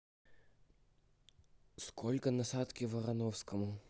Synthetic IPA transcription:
skʰɔlʲkənɐsat̪kʲɪvɐɾɐnɔfskəmʊ

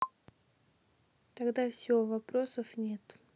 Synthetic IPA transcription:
t̪ɐɡd̪afsʲɪovɐpɾosəfnʲet̪

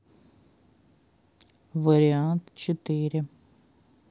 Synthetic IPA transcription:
vəɾʲɪant̪t͡ɕɪt̪ɪɾʲɪ

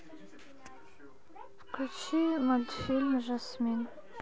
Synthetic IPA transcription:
kʲʷʰʊt͡ʃʰimad̪filmʒasmin

